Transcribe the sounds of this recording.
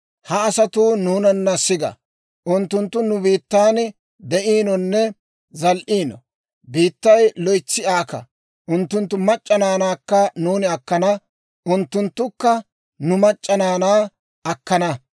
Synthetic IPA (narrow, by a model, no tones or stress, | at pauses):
hɐːsɐt̪uːnuːnɐnːɐsɪɡɐ̰ | ʔʊnt̪ːʊnt̪ːʊnʊbiːt̪ːaːn | d̪ɛʔiːnɔnːɛ | zɐlʔiːnɔ | biːt̪ːɐjlɔjt͡sːɪʔaːkɐ̰ | ʔʊnt̪ːʊnt̪ːʊmɐt͡ʃʼːɐnaːnaːkːɐnuːnɪɐkːɐnɐ | ʔʊnt̪ːʊnt̪ːʊkːɐ | nʊmɐt͡ʃʼːɐnaːnaː | ɐkːɐnɐ